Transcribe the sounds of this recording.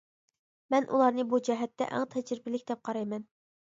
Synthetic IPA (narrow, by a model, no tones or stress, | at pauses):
mɛnʔṵlˠɑɾnɨbud͡ʒɛɦɛt̪ːɛ̰ʔæ̰ŋt̪ʰɛd͡ʒɾɪbɪlɪkʲd̪ɛp̚qʰɑɾɑjmɛn